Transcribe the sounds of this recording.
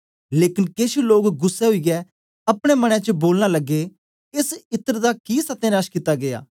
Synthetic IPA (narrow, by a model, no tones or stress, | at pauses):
leːkɪnkeːʃiloːkɡʊsːɛɦʊiːɡɛ | ɐpɽ̃emɐɽ̃ɛ̃t͡ʃəboːlnaləɡːe | ɪsɪt̪ːəɾd̪akiːsɐt̪enaːʃkɪt̪ːaɡea̰ː